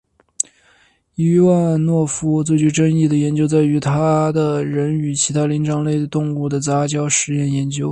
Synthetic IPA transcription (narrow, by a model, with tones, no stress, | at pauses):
i˥wa˥˧nwɔ˥˩fu˥t͡swe˥˧ɪt͡ɕy˥˧˩ʈ͡ʂə˥ni˥˩d̪ə˩jɛ˧˥nt͡ɕjo˥ʊt͡sa˥˩ɪy˧˥t̪ʰa˥d̪ə˨ɻə˧˥ny˨˩t͡ɕʰi˧˥t̪ʰa˥li˧˥ŋʈ͡ʂʰɑ˧˥ŋle˥˩ɪd̪ə˩t̪ʊ˥˧ŋu˥˩d̪ə˩t͡sa˧˥t͡ɕjɑ˥ʊʂɻ̩˧˥jɛ˥˩njɛ˧˥nt͡ɕjo˥ʊ